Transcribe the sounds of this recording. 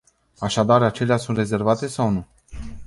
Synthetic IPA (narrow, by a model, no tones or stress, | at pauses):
aʃad̪arat͡ʃe̞leasunt̪re̞ze̞rvat̪e̞sawnu